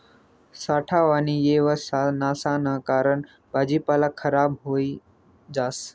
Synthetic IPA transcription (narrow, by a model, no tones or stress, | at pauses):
saːʈʰaːʋaːnijeːʋəsanaːsaːnəkaːɾəɳ | baːd͡ʒiːpaːlakʰːəɾaːbɦoːi | d͡ʒaːs